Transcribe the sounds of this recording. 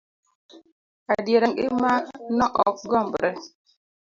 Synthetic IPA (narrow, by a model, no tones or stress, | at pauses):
adieɾeŋimanɔʔɔkɡɔm̩bɾe